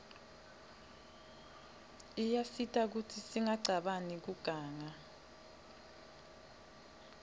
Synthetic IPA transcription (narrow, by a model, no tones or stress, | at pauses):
ijafitʼʰak̬utʰisiŋaǀʱaɓanik̬uɡ̥ʱaːŋa